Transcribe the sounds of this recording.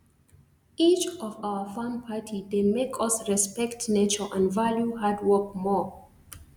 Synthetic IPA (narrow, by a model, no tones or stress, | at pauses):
it͡ʃɔvaʊəfãmpʰatʰidemekʰʌsɹɛspɛktnet͡ʃəʔãnvaljuhadwɜk̚mɔ